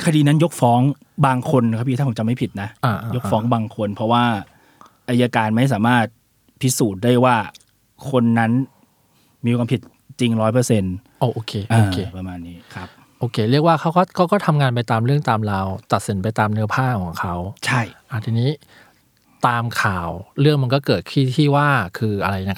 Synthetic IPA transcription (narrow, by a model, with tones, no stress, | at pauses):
kʰa˧diː˧na˦˥njo˦˥k̚fɔː˦˥ŋ | baː˧ŋkʰo˧nkʰa˦˥pʰi˧t̪ʰa˥pʰo˩˦t͡ɕa˨˩ma˥˩jpʰi˨˩t̪̚na˦˥ʔaː˧ʔa˧jo˦˥k̚fɔː˦˥ŋbaː˧ŋkʰo˧npʰɔ˦˥waː˥˩ | ʔa˧ja˧kaː˧nma˥˩js̬aː˩˦maː˥˩t̪̚ | pʰi˦˥suː˨˩t̪̚da˥˩jwaː˥˩ | kʰo˧nːa˦˥n | miː˧kʰwaː˧mpʰi˨˩t̪̚ | t͡ɕi˧ŋɾɔː˦˥jpɤ˧se˧nʔoː˧ʔoː˧kʰeː˧ʔaoː˧kʰeː˧pa˧maː˧nːiː˦˥kʰa˦˥p̚ | ʔoː˧kʰeː˧ɾɯ˥˩ək̚waː˥˩kʰa˦˥wkɔː˥˩kʰɔ˦˥˩wkɔː˥˩t̪ʰa˧mŋaː˧np̬a˧jt̪aː˧mɾɯ˥˩əŋt̪aː˧mlaː˧wt̪a˨˩t̪̚si˩˦npa˧jt̪aː˧mnɯ˦˥ɐpʰaː˥˩kʰɔː˩˦ŋkʰa˦˥wt͡ɕʰa˥˩jʔa˨˩t̪ʰiː˧niː˦˥ | t̪aː˧mkʰaː˨˩wɾɯ˥˩əŋma˧nkɔː˥˩kɤː˨˩t̪̚kʰiː˥˩t̪ʰiː˥˩waː˥˩kʰɯː˧ʔa˧ɾa˧jna˦˥kʰ